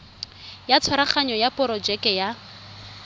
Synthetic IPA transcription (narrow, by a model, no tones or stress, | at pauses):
jat͡sʰwaɾaχaɲɔjapʼɔɾɔd͡ʒɛkʼɛja